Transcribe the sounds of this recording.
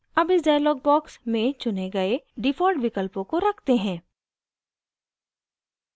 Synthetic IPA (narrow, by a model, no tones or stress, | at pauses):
ɐbɪsɖaːjlɔːɡ̚bɔːksmẽt͡ʃʊneɡɐeɖɪfɔːlʈʋɪkəlpõkoɾɐkʰt̪eɦɛ̃ː